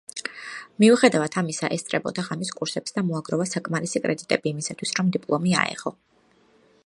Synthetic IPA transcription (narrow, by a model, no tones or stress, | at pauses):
miuχɛd̪avat̪ʰamisaʔɛst̪sʼɾɛbɔ̰d̪aʁamiskʼuɾsɛpsd̪amɔaɡɾɔvasakʼmaɾisikʼɾɛd̪it̪ʼɛbiːmisat̪ʰwi̥sɾɔmd̪ipʼlˠɔmia̰ɛ̰ʁɔ